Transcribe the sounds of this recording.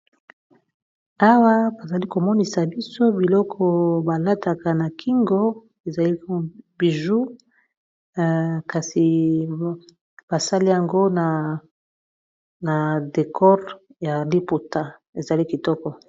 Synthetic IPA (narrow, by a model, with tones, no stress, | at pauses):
a˦wa˦ba˨za˨li˦ko˨mɔ˦ni˨sa˨bi˦so˦bi˨lɔ˦kʰɔ˨ba˨la˦ta˨ka˨na˨kʰi˦ŋɡo˦ | e˨za˨li˦bi˨ʒu˦ | ka˨si˨ | b̥a˨sa˦li˦ja˨ŋɡo˦na˨ | na˨de˨kʰɔ˦ʁja˨li˦po˨ta˨ | e˨za˨li˦ki˨tɔ˦kɔ˨